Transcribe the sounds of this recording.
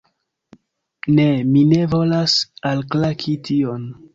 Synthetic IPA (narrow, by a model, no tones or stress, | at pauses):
ne̞mine̞vo̞lasalklakʰitʰio̞n